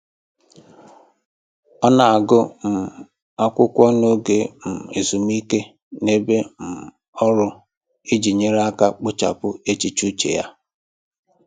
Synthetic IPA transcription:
ɔ˦na˨a˨ɡʊ˦m̩˨ | a˦kʷʊ˦kʷɔ˦no˦ɡe˨m̩˨e˨zu˨m˦i˦ke˦ | ne˦be˦m̩˨ | ɔ˦ɾʊ˦ | i˦d͡ʒi˨ɲe˦ɾa˦ka˦k͡pʊ˦t͡ʃa̰˨pʊ˦e˦t͡ʃi˨t͡ʃu˦t͡ʃḛ˨ja˦

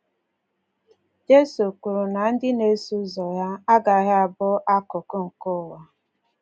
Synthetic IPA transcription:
d͡ʒe˦su˨ku˨ɾu˨na˨n̩˦dɪ˦ne˦su˦zɔ˨ja˦a˦ɡa˨ɦɪ˦a˨bʊ˦ʔa˦kʊ˨kʊ˦ŋ̩˨kʊ˦˨wa˦

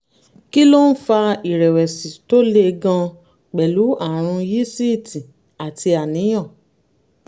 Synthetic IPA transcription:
ki˦lo˦n̩˦fa˧i˨ɾɛ˨wɛ˨sĩ˨to˦le˦˧ɡã˧ | k͡pɛ˨lu˨˦a˦˨ɾ̃ũ˧ji˦si˦i˦˨tĩ˨ | a˨ti˧a˨nĩ˨˦j̃ã˦˨

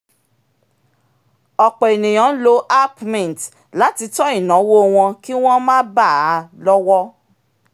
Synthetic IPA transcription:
ɔ˨k͡pɛ˨e˨nĩ˨j̃ã˨˦lo˨˦ʔa˦pmɛ̃˨n˨t | la˨˦ti˧tɔ˦i˦˨nã˨˦wo˦w̃ɔ̃˧ki˦w̃ɔ̃˦mãː˦ba˦˨a˨˧lɔ˦wɔ˦

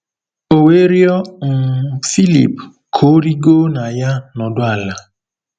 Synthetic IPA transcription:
o˨we˦ɾjɔ˦ŋ̩˨fi˦lḭ˨p | kʰo˦ɾi˦ɡo˦na˨ja˦nɔ˨dʊ˦a˦˨la˨

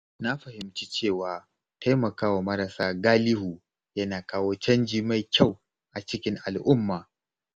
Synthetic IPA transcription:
na˦ɸɐ˨hɪ˨mt͡ʃi˦t͡ʃeː˦˨waː˨ | tʰa˦jmɐ˨kaː˦wa˨mɐ˦ɾɐ˨saː˦ɡaː˦lɪ˦huː˨ | jɐ˦naː˨kaː˦woː˦t͡ʃɐ˦nd͡ʒiː˨ma˨jkʲa˦˨w | ʔa˨t͡ʃɪ˦kʲɪ˦ŋʔa˨lʔʊ˦mːaː˨

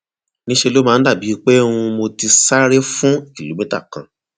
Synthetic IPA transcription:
nĩ˦ʃe˧lo˦mãː˨˧˦da˦˨bi˨˦˧k͡pe˦ũ˧mo˧ti˧sa˦ɾe˦fũ˦i˦˨lu˨˦mĩ˦ta̰˦˨kã̰˨

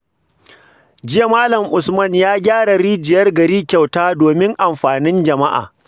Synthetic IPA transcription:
d͡ʒɪ˦ja˨maː˦lɐ˨mʔʊ˨smɐ˦njaː˦ɡʲaː˦ɽa˨ɾiː˦d͡ʒɪ˨jɐ˦rɡɐ˨ɾiː˦kʲa˨wtaː˦doː˨mɪ˦ŋʔa˨mɸaː˨nɪ˦nd͡ʒɐ˨ma˦ʔa̰ː˨

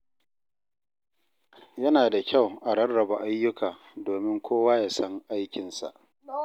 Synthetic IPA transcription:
jɐ˦naː˨da˨kʲʰa˦˨wʔa˨ɽɐ˦rːɐ˨ba˨ʔa˦jːʊ˦kʰaː˨ | doː˨mɪ˦ŋkʷʰoː˦waː˦jaː˨sɐ˦ŋʔa˦jkʲɪ˨nsa̰˨ʔ

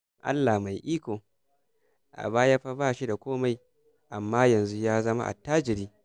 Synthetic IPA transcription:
ʔa̰˦lːa˨ma˨jʔiː˦kʷoː˨ | ʔa̰˨baː˦ja˦ɸa˦baː˦˨ʃi˦da˨kʷoː˦ma˦j | ʔa˨mːaː˦jɐ˨nzu˦jaː˦zɐ˦ma̰˦ʔa̰˨taː˦d͡ʒɪ˨ɾiː˦

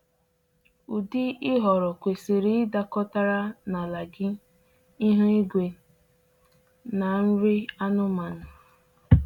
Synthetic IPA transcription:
u˨di˦ɪ˦ɦɔ˨ɾɔ˨kʷe˨se˨ɾi˨˦ɪ˦da˨kɔ˦ta˦ɾa˦na˨la˨ɡɪ˦ | ɪ˦ɦʊ˦i˦ɡʷe˨ | na˨n̩˦ɾi˦a˦nʊ˦ma˨nʊ˨

